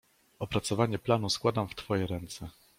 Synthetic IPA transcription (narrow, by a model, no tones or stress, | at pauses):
ɔpɾat̪sɔvaɲɛplanuskwad̪amft̪fɔjɛɾɛnt̪sɛ